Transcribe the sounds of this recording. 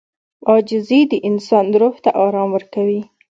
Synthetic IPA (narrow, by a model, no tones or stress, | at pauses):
ɑd͡ʒɪzed̪əʔɪnsɑnɾoht̪aʔɑɾɑmwəɾkawi